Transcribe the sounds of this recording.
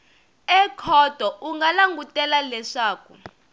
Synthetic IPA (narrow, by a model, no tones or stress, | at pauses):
ɛkʰɔd̥ʱɔʔuŋɡalaŋɡutʼɛlalɛʂaːk̚u